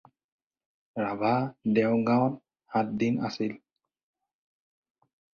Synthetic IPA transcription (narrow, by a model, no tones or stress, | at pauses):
ɹabʱadɛwɡawn | hat̚dina̰sil